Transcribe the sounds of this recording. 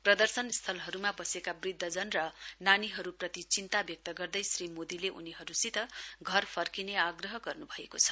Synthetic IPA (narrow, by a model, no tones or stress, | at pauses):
prʌd̪ʌrsʌnst̪ʰʌlɦʌɾumabʌsekabrid̪ʱːʌd͡zʌnrʌnaniɦʌɾuprʌt̪it͡sint̪abjʌk̚t̪ʌɡʌrd̪ʌjsrimod̪ileʔṵniɦʌɾusit̪ʌɡʱʌrpʰʌrkineaɡrʌɦʌɡʌrnubʱʌekot͡sʰʌ̥